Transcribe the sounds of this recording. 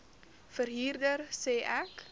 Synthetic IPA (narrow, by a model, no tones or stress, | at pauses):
fərɦiːrdərsɛːʔɛk